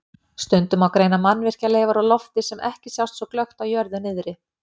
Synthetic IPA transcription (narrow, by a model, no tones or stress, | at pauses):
st̪ʏnt̪ʏmawkɾejnamanːvɪr̥caleːjvaɾalɔft̪ɪsɛmʔɛ̰hcɪsjawst̪sɔklœxt̪awjœɾðʏnɪðɾɪ